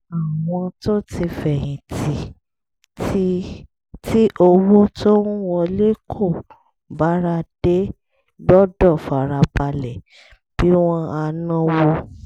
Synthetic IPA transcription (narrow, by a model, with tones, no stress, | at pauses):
a˨w̃ɔ̃˧to˦ti˧fɛ˨jĩ˨ti˨˦ | ti˦ʔo˧wo˦to˦ɾũ˦wɔ̃˧le˦kʰo˦˨ | ba˨˦ɾa˧d̥e˦ | ɡ͡bɔ˦dɔ˦˨fa˨ɾa˧ba˧lɛ˨ | b̥i˨˦w̃ɔ̃˦˧a˧nã˦wo˧